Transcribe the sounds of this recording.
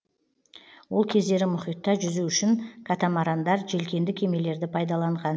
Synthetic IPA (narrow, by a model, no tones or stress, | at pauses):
wo̞lˠkʲʰe̞zd̪e̞ɾɪmʊχijt̪ːɑʒʏzuʏʃɪŋkʰat̪amɑɾɑnd̪ɑɾʒe̞lkʲe̞nd̪ɪkʲʰe̞me̞le̞ɾd̪ɪpʰɑjd̪ɑlˠɑɴʁɑn